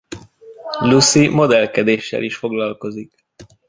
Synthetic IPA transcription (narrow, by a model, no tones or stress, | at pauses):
lusimo̞d̪ɛlkɛd̪eːʃːɛ̰liʃfo̞ɡlɒlko̞zik